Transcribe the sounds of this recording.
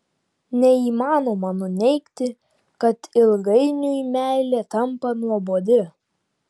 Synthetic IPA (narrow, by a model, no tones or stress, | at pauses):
nʲɛiːmɑːnoːmɐnʊnʲɛɪkt̪ʲɪ | kɐt̪ɪlˠɡɐɪnʲʊɪmʲæˑɪlʲeːt̪ɐmpɐnuɔboːd̪ʲɪ